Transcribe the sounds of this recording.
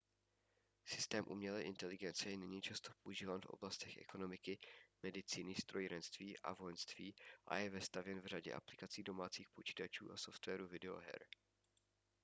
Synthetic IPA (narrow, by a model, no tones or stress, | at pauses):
sɪst̪ɛːmʔṵmɲɛlɛːʔɪnt̪ɛlɪɡɛnt͡sɛjɛnɪɲiːt͡ʃast̪o̞po̞ʔuʒiːvaːnfʔo̰blast̪ɛxʔɛ̰ko̞no̞mɪkɪmɛdɪt͡siːnɪst̪ɾo̞jɾɛnst̪viːʔa̰vojɛnst̪viːʔa̰jɛvɛst̪avjɛnvr̝aɟɛ̰ʔa̰plɪkat͡siːdo̞maːt͡siːxpo̞t͡ʃi̥ːt̪at͡ʃṵːʔaso̞ft̪vɛːɾuvɪdɛo̰ɦɛ̰ɾ